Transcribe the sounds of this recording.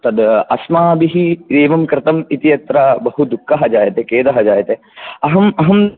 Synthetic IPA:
t̪ɐd̪ɐsmaːɐbiɦid̪eːʋɐmkɾɪt̪ɐmit̪ijɐt̪ɾabɐɦud̪ukʰːɐɦɐd͡ʒaːjɐt̪ekeːd̪ɐɦɐd͡ʒaːjɐt̪e | ɐɦɐmɐɦɐm

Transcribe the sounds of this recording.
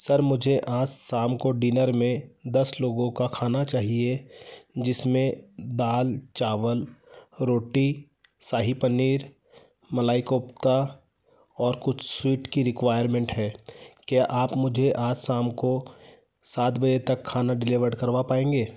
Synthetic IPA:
sɐɾmʊd͡ʒʱeʔaːd͡ʒsaːmkoɖinəɾmẽd̪ɐsloːɡõkakʰaːnat͡ʃaːɦied͡ʒɪsmẽd̪aːlt͡ʃaːʋəlɾoːʈi | saːɦipɐniːɾ | mɐlaːɪkoːpt̪a | ɔːɾkʊt͡ʃʰswiːʈkiɾɪkʋaːjəɾmẽɳʈɦɛːkjaːʔaːpmʊd͡ʒʱeʔaːd͡ʒsaːmko | saːt̪bɐd͡ʒet̪ɐkʰːaːnaɖɪlɪʋəɾɽkɐɾʋapaːẽːŋɡeː

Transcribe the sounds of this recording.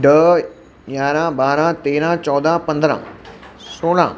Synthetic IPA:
ɖə | ɡaːɾãbaːɾãt̪eːɾãt͡ʃɔd̪apənd̪ɾã̰soːɽã̰

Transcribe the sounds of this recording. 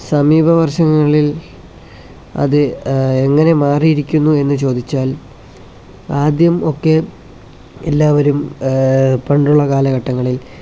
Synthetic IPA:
sɐmiːbʱɐʋɐrɕɐŋːɐɭil | ɐ̰ðɨe̞ŋːɐne̞maːrijiɾikʲːunːue̞nːɨt͡ɕo̞ːd̪it͡ɕːaːl | aːd̪jɐmo̞kːe | ḛlːaːʋɐɾum | pɐɳɖuɭːɐkaːlɐkɐʈːɐŋːɐɭil

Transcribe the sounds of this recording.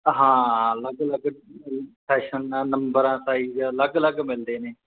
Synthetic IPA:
ɦãːələɡələɡ | sʰɛːʃənːaːnəmbəɾãːt̪aːiːələɡələɡmɪld̪eːneː

